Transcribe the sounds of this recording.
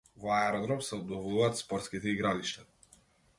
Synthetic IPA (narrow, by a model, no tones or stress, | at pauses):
vɔaɛɾɔd̪ɾɔmsɛɔbd̪ɔvɔluvaːt̪spɔɾt̪skit̪ɛiɡɾaliʃt̪a